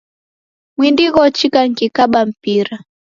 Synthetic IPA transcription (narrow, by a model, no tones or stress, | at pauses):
mwindiɣɔt͡ʃikaŋ̩kikaɓam̩piɾa